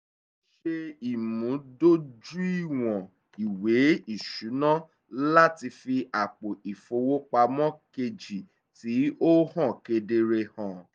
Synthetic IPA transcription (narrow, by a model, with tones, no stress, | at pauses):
ʃe˧i˨mũ˨˦do˦d͡ʒu˦i˦˨w̃ɔ̃˨ | i˨we˨˦i˦˨ʃu˨˦nã˦ | la˦ti˧fi˧ʔa˨k͡po˨i˨fo˧wo˦k͡pa˧mɔ̃˦ke˧d͡ʒi˨ | ti˨˦o˦hɔ̃˦˨ke˧de˧ɾe˧hɔ̃˨